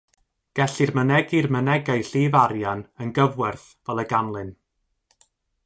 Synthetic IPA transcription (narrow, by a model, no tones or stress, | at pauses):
ɡ̥ɛɬɪrmənɛɡɪrmənɛɡajɬiːvaɾjanənɡəvwɛrθ | vɛlˠəɡanlˠɨn